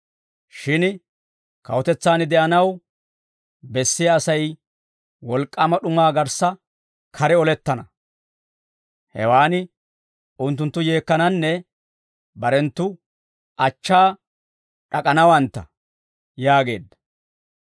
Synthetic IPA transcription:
ʃɪn | kɐ̰wɔt̪ɛt͡sːaːnɪd̪ɛʔɐnɐw | bɛsːɪjaːsɐj | wɔlkʼːɐmɐɗʊmaːɡɐɾsɐ | kʰɐɾɛɔlɛt̪ːɐnɐ | hɛ̰waːnɪ | ʊnt̪̬ːʊnt̪ːʊje̞ːkːɐnɐnːɛ | bɐɾɛnt̪ːʊ | ʔɐt͡ʃːaː | ᶑɐkʼɐnɐwɐnt̪ːɐ̰ | jaːɡe̞̰ːd̪ːɐ̥

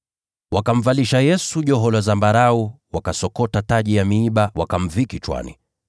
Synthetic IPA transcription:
wakam̩valiʃajɛsuʄɔɦɔlazambaɾau | wakasɔkɔtataʄijamiːɓawakam̩vikit͡ʃwa̰nḭ

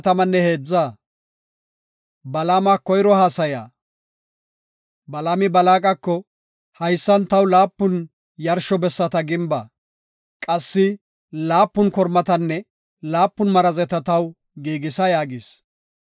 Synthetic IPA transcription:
t̪ɐmɐnːɛhe̞ːd͡zːaː | bɐlamakːɔjɾɔhaːsɐja̰ː | bɐlaːmɪbɐlaːkʼɐkːɔ | hɐjsːɐnt̪ɐwlaːpːʊn | jɐɾʃɔbɛsːɐt̪ɐɡɪmbɐ | kʼɐsːɪ | laːpːʊnkɔɾmɐt̪ɐnːɛ | laːpːʊnmɐɾɐzɛt̪ɐt̪ɐw | ɡiːɡɪsɐjaːɡɪs

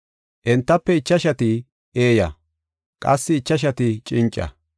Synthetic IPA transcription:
ʔɛnt̪ːɐpːɛɪt͡ʃːɐʃɐt̪ɪ | ʔeːjɐ | kʼɐ̰sːɪːt͡ʃːɐʃ̬ɐt̪ɪt͡ʃʼɪnt͡ʃʼːɐ̰

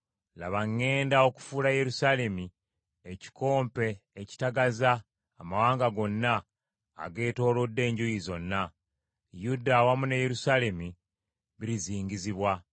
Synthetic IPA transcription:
la̰βaŋːe̞ːndao̞ku̥fulaje̞ɾusaːle̞mi | eci̥ko̞ːmpe̞ːci̥taɡazaː | mawaːŋɡaɡo̞nːa̰ː | ɡe̞ːto̞ːlo̞dːe̞ːɲɟujizo̞nːa | judawamunajeɾusaːle̞mi | βiɾiziːɲɟiziβwa

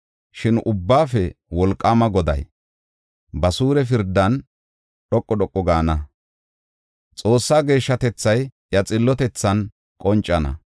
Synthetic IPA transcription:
ʃɪnʔʊbːaːfɛwɔlkʼːaːmɐɡɔd̪ɐ̰j | bɐsuːɾɛfɪɾd̪ːɐn | ɗɔkʼːɔɗɔkʼːɔɡaːnɐ | t͡sʼo̞ːsːaːɡe̞ːʃːɐt̪ɛt͡sːɐj | jɐt͡sʼɪlːɔt̪ɛt͡sːɐn | kʼɔnt͡ʃʼːɐnɐ̰

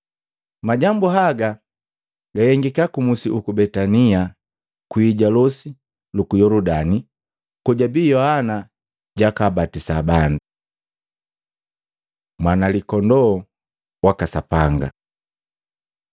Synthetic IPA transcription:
maɟambuɦaɡa | ɡajɛŋɡikakumusiʔukubɛtania | kwiːɟalɔsi | lukujɔludani | kɔɟabiːjɔhana | ɟakabatisaːbanda | mwanalikɔndɔː | wakasapaŋɡa̰

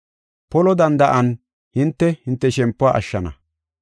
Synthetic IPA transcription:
pɔlɔd̪ɐnd̪ɐʔɐn | hɪnt̪ːɛhɪnt̪ːɛʃɛmpːʊaɐ̰ʃːɐnɐ̰

